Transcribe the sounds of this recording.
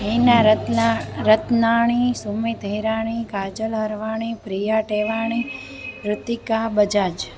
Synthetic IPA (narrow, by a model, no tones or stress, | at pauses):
ɦena | ɾət̪naɳ̃isumit̪əjɾaɽ̃ikad͡ʒəlɦəɾʋaɽ̃ipɾijaʈeʋaɳ̃i | ɾʊt̪ːikabəd͡ʒad͡ʒ